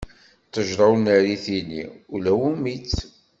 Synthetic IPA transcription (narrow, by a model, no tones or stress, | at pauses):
t̪ːəʒɾˤɑwnəɾiθinḭulæwumit͡s